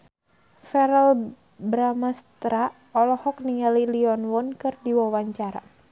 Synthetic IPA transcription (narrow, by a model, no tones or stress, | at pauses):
fɛɾɛl | bɾamast̪ɾa | ɔlɔhɔk̚niŋaliliɔnwɔnkɨrdiwawaɲt͡ʃaɾa̰